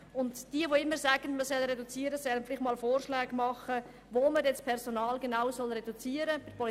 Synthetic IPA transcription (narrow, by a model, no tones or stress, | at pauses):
ʊntd̥iəʋoɪmːəɾsæːɡ̥ənməsɛlɾɛdut͡siːəɾəsɛlənfɪlɪχtmɑːlfoːrʃlɛːɡmɑχə | ʋoːmədɛnt͡spʰɛɾsonɑːlɡenaʊsɔlrɛdut͡siːəɾəbɪpʰɔl